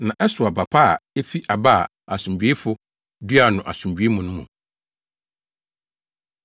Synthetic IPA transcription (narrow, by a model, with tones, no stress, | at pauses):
nã˨ʔɛ˦sʊ˨a˨ba˨pʰa˦a̰˨e˦fi˦ʔa˨ba̰˦˨ | a˨sũ˨mɥᶣɥe˦fʊ˦ | dy˦a˨nʊ̃˨ʔa̰˨sũ˨m˨ɥi˨e˦mũ˨nʊ̃˦mʊ̃˨